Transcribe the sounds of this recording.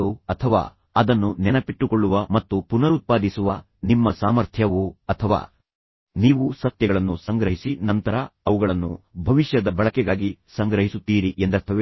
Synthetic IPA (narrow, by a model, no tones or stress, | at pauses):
uɐt̪ʰɐʋa̰ː | ɐd̪ɐnːunɛnɐpiʈːukoɭːuʋɐmɐt̪ːupunɐɾut̪̚paːd̪isuʋɐ | nimːɐsaːmɐɾt̪ʰjɐʋuɐt̪ʰɐʋa̰ː | niːʋusɐt̪jɐɡɐɭɐnːusɐŋɡɾɐɦisinɐnt̪ɐɾɐɐʋuɡɐɭɐnːṵbʱɐʋiʃjɐd̪ɐbɐɭɐkɛɡaːɡisɐŋɡɾɐɦisut̪ːiːɾiʔend̪ɐst̪ʰɐʋe